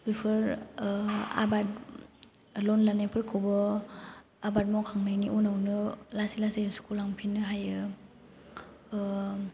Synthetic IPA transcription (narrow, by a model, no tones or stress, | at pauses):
bipʰɔɾ | a̰bat̚ | lɔnlanapʰɯɾkʰɔbɔ | abat̚mɔwkʰaŋnajniʔunawnɯlasilasejsu̥kʰulaŋpʰinɯɦajɯ